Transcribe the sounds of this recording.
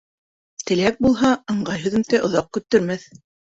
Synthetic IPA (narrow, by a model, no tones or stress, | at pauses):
t̪ɘ̆læk̚bulˠɦɑɤ̆ɴɢɑjɦɵ̆ðɵ̆mt̪æʔŏðɑq̚kɵ̆t̪ːɵ̆ɾmæθ